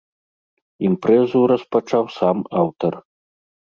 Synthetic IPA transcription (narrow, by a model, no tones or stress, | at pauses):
impɾɛzuɾɐspat͡ʂawsamawt̪ɐr